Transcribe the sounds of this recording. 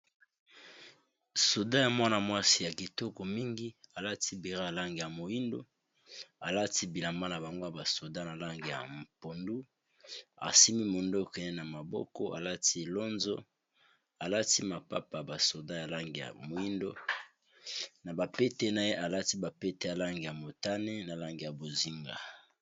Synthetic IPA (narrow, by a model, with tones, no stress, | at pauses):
so˨da˦ja˨mwa˦na˨mwa˦si˦ja˨ki˨to˦ko˨mi˦ŋɡi˦a˨la˦ti˦bi˨ʁa˦ja˨la˦ŋɡja˨mo˨ji˦ndo̰˦ | a˨la˦ti˦bi˨la˨mba˦na˨ba˨ŋɡo˦ja˨ba˨so˨da˦na˨la˦ŋɡe˨ja̰˨mpo˨ndu˦ | a̰˨si˦mi˦mo˨ndo˦˨kɛ˨ne˦na˨ma˨bɔ̰˦kɔ˦ʔa̰˨la˦ti˦e˨lo˦nzo̰˦ | a˨la˦ti˦ma˨pa̰˦pa˨ba˨so˨da˦ja˨la˦ŋɡi˨ja̰˨mo˨ji˦ndo˦ | na˨ba˨pe˦te˦na˨je˦ʔa˨la˦ti˦ba˨pe˦te˦ja˨la˦ŋɡi˨ja˨mo˨ta˦ne˦na˨la˦ŋɡi˨ja˨bo˨zi˦ŋɡa̰˨